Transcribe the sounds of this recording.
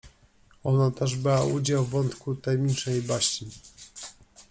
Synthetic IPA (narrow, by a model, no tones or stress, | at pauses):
ɔnat̪ɛʐbwaʔud͡ʑawːɔnt̪kut̪ɛmʲit͡ʂnɛjbaɕi